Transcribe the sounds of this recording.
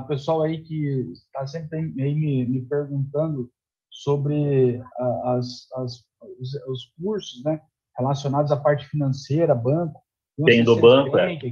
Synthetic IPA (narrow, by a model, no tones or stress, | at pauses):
pesuawaikɪt̪asẽmpɾɪaiaimɪmɪpeɾɡũnt̪ɐ̃nd̪ʊ | sobɾɪaɐsɐs | sʊsk̚uɾsʊznɛ | helasionad̪ʊzapaɾt͡ʃɪ̥finɐ̃sejɾɐːbɐ̃kʊ̥ | kõẽj̃d̪ʊbɐ̃kkʊɛ̃t͡ʃ